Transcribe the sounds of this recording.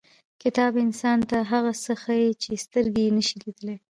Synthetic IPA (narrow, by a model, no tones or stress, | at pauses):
kɪt̪ɑbɪnsɑnt̪aɦaɣasəxajet͡ʃest̪əɾɡeenəʃilid̪əle